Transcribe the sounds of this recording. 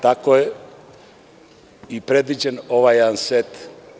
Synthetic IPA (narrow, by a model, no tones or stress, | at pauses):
t̪akoje | ipɾed̪ʋid͡ʑenoʋajansɛt̪